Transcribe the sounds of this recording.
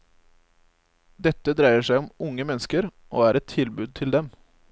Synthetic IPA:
d̪ɛt̪ːəd̪ɾæɪəʂæɪɔmʊŋəmɛnːəskəɾ | ʔoːæːɾɛt̪ʰɪlbʉːd̪̚t̪ʰɪld̪ɛm

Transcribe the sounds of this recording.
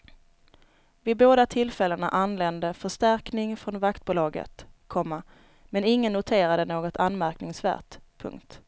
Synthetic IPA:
vɪd̪̚boːd̪at̪ʰɪlːfɛlːəna̰ʔanlɛnd̪əfœʂt̪æɾknɪŋfɾɔnvakt̪̚buːlɑːɡə̰t̪kʰɔmːa | mɛnɪŋːənːʊt̪ʰeːɾad̪ənoːɡɔt̪ʰanmæɾknɪŋsvæ̰ːʈpʰɵ̰ŋkt̪

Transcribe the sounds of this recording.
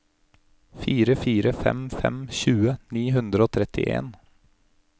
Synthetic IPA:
fiːɾəfiːɾəfɛmfɛmçʉːəniːɦʉnd̪ɾəoːt̪ʰɾɛt̪ɪ̰ʔḛːn

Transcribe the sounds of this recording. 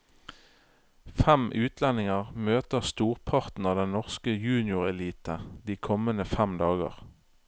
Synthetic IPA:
fɛmʔʉːt̪ʰlɛnɪŋəʁmøːt̪əʁst̪uːʁpʰɑʁt̪n̩ɑːʋd̪ɛnnɔʁskəjʉːnɪʊʁɛliːt̪əd̪iːkʰɔmənəfæmd̪ɑːɡə̰ʁ

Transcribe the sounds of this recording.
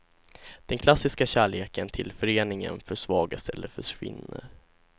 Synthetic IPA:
d̪̥ɛnkʰlasːɪskaɕæːɭeːkənt̪ʰɪlfœɾeːnɪŋənfœʂvɑːɡast̪ɛlːəfœʂvɪ̰nːəɾ

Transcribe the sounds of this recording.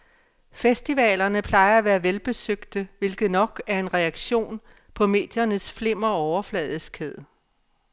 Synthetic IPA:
fesd̥iʋɛ̰ːlɐnəpʰlɑ̈ɪɐæʋæːɐʋelb̥e̝søɡ̥d̥əʋe̝lɡ̥ð̩ˠnɒ̽ɡ̥æɐe̝nʁɛɑ̈ɡ̥ɕo̝̰ːn | pʰɒ̽me̝̰ːd̥jɐnəsfle̝m̰ɐɒʊɐflɛ̰ːðˠskʰeðˠ

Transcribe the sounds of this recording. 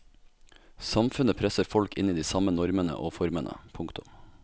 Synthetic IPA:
sɑmfʉnəpʰɾɛsəɾfɔlkɪ̰niːd̪iːsɑmənɔɾmənə̰ʔoːfɔɾmənʔə̰pʰʊŋkt̪ʊm

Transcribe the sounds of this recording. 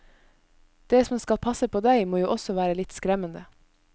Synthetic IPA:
d̪̥eːsɔmskɑlpʰɑsəpʰoːd̪æɪmoːjuːʔɔsɔʋæːɾəlɪt̪skɾɛmənd̪ə

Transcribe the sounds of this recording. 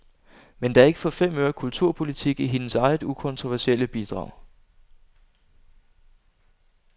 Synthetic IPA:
mend̥ɑæɐe̝ɡəfɒ̽fem̰øɐkʰult͡sʰuɐ̰pʰo̝lit͡sʰiɡ̥iɦe̝nəsɑ̈ɪð̩ˠukʰɔ̽nt͡sʰʁo̝ʋæɐseləb̥id̥ʁɑ̰̈ʊ̰

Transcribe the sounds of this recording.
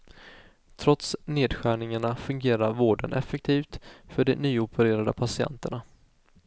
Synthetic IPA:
t̪ʰɾɔt̪sneːd̪ɧæːɳɪŋaɳafɵŋɡeːɾaɾvoːɖənʔɛfɛk̚t̪ʰiːft̪fœɖɛnyːʊpʰəɾeːɾad̪əpʰasɪɛ̰nt̪əɳa

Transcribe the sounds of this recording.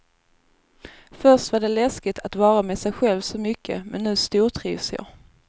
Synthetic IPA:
fœʂʈvaɖɛlɛskɪt̪ʰat̪vɑːɾamɛːsɛjɧɛlvsɔmʏkʰːə̰mʔɛnːʉ̟ːst̪uːʈʰɾḭːvsjɑ̰

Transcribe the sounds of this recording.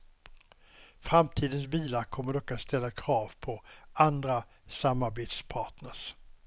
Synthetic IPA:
fɾamt̪ʰiːd̪ənsbiːlakʰɔmːəɖɔkːat̪st̪ɛlːakʰɾɑːvpʰɔʔand̪ɾasamːaɾbeːt̪spʰɑːʈnəʂ

